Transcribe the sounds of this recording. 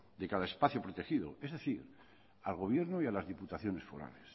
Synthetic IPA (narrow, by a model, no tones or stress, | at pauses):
d̪ekaðaespaθjopɾot̪e̞xiðo̞̰ezðe̞θiɾ | alɣ̞o̞βjeɾnoialazðiput̪aθjo̞ne̞sfo̞̰ɾa̰les